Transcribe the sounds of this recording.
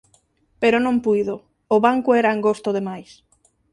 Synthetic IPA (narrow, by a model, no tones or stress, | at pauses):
peɾonõmpujðo | oβaŋkʊeɾaeŋɡost̪oðemajs